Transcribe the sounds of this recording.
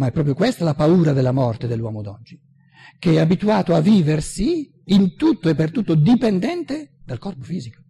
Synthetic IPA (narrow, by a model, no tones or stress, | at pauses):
maɛpːɾɔːpɾjokwest̪alapauːɾad̪elːamɔrt̪ed̪elːwɔ̰ːmod̪ɔd͡ʒːi | keɛabit̪uaːt̪oavːiːversiː | nt̪ut̪ːoepːert̪ut̪ːod̪ipɛnd̪ɛnt̪ed̪̥alkɔrpofiːziko̥